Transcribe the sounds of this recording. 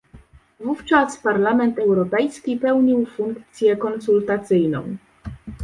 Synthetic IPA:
vuft͡ʂaspaɾlamɛnt̪ɛwɾɔpɛjskʲipɛwɲiwfuŋkt̪sʲjɛkɔnsult̪at̪sɘjnɔ̰̃w̃

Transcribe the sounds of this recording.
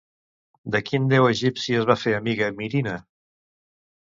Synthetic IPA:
d̪əkind̪ɛwəʒipsiəzβafeəmiɣəmiɾinə

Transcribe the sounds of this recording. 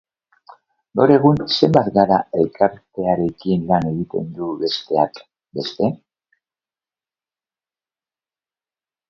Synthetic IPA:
ɡawɾe̞ɣ̞unse̞mbat̪ɡaɾae̞lkaɾt̪e̞aɾe̞kinlane̞ɣit̪e̞̰nd̪uβe̞st̪e̞ak | be̞st̪e̞

